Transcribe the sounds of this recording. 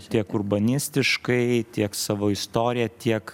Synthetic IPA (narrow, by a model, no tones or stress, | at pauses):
t̪ʲiɛkʊrbɐnʲɪsʲt̪ʲɪʃkɐɪt̪ʲiɛksɑːʋoːɪst̪oːɾʲɪjɛt̪ʲiɛk